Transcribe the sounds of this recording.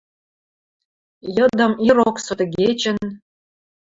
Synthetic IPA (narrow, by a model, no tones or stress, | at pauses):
jɤ̆d̪ə̆miɾoksɤ̆t̪ɡet͡ɕə̆n